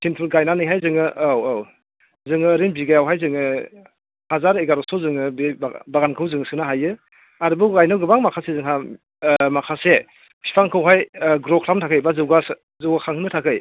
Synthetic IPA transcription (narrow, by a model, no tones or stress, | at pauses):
sʰinpʰutɡajnanɯjɦajzɯŋɯʔawaw | zɯŋɯːɾinbiɡajawɦajzɯŋɯ | hazaɾeɡaɾɔsɔzɯŋɯbibaɡankʰɯwzɯŋɯsɯnaɦajɯ | aɾɯbɯɡajnɯwɡɯbaŋmakʰasezɯŋɦa | makʰase | pʰi̥pʰaŋkʰɯwɦajɡɾɔkʰɾamtʰakʰɯjbazɯwɡas | zɯwɡakʰaŋhʰɯnɯtʰakʰɯj